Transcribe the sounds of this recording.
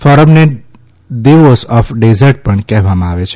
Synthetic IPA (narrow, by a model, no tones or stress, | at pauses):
fɔɾəmne | d̪iʋosɔfɖezəɾʈ̚pəɳkɛɦʋamãaʋet͡ʃʰ